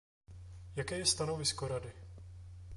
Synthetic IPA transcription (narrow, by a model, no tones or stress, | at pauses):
jakɛːjɛst̪ano̞vɪskoɾadɪ